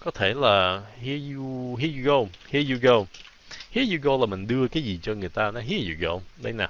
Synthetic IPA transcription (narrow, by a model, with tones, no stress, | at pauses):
kɔ˨˦t̪ʰe˧˩laː˨˩hi˧˥əju˧ɦi˧˦˥əju˧ɣo˧whi˧˥əju˧ɣo˧w | hi˦˥əju˧ɣo˧wlaː˨˩mï˨˩ŋ̟ɗɨ˧əkaː˨˦jzi˨˩t͡ɕɔ˧ŋɨ˨˩əjt̪aː˧nɔ˨˦ɦi˨˦˥əzu˨˩ɣo̰˧wɗə̰˨˦jnaː˨˩